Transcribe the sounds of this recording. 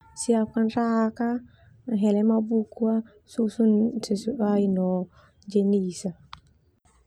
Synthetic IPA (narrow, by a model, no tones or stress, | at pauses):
siap̚kanɾaka | ɦɛlɛmabukua | susunsɛsuʔainɔ | d͡ʒeniːsa